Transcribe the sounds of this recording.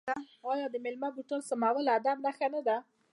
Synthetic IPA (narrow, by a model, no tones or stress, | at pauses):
a | ɑjɑd̪əmɪlmabuʈolsamawəlad̪amnaxanad̪a